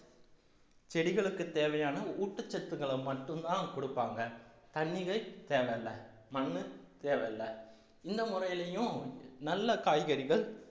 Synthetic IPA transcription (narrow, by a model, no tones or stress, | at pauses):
t͡ʃɛɽɪɣɐɭɯkːɯt̪eːʋɐjaːnɐuːʈːɐt͡ʃːɛt̪ːɯɣɐɭɐmɐʈːɯmt̪ãːkɔɽɯpːaːŋɡɐ | t̪ɐɳːɪɣɐɪt̪eːʋɐɐlːɐ | mɐɳːɯt̪eːʋɐɐlːɐ | ɪnd̪ɐmʊrɐjɪlɐjʊ̃nɐlːɐkaːjɣɐɾɪɣɐɭ